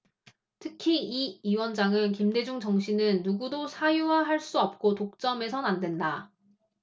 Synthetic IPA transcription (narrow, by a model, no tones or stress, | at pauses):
tʰɯkʰiiiwʌnd͡ʑaŋɯnkimde̞d͡ʑuŋd͡ʑʌŋɕʰinɯnːuɡudosʰajuwaɦaɭs͈uʌp̚k͈otok̚t͡ɕ͈ʌme̞sʰʌnandwe̞nda